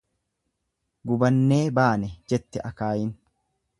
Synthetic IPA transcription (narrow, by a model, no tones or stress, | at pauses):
ɡʊbɐnːeːbaːnɛd͡ʒɛt̪ːɛʔɐkaːjɪn